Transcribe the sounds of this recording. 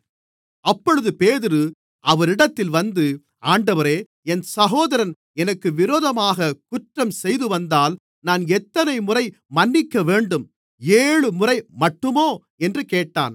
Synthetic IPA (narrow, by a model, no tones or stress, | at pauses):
ɐpːɔɻɯðɯpeːðɪɾɯ | ɐʋɐɾɪɽɐt̪ːɪlʋɐnd̪ɯ | aːɳɖɐʋɐɾeː | ɛnsɐɣoːðɐɾɐn | ɛnɐkːɯʋɪɾoːðɐmaːɣɐkʊʈrɐmsɛjðɯʋɐnd̪aːl | naːnɛt̪ːɐnɐɪmʊrɐɪmɐnːɪkːɐʋeːɳɖɯm | eːɻɯmʊrɐɪmɐʈːɯmoː | ɛndrɯkeːʈːa̰ːn